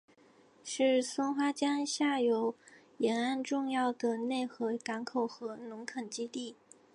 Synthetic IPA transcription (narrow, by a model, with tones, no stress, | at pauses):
ʂɻ̩˥˩sʊ˥nxwa˥t͡ɕjɑ˥ŋɕja˥˩jo˧˥ʊ | jɛ˧˥na˥˧nʈ͡ʂʊ˥˧ŋjɑ˥˩ʊd̪ə˩ne˥˩ɪxɤ˧˥ka˧˥nkʰo˨˩ʊxɤ˧˥nʊ˧˥ŋkʰɤ˨˩nt͡ɕi˥t̪i˥˩